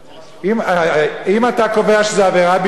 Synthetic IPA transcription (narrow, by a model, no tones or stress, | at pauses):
im | imat̪ako̞ve̞aʃezeaveʁab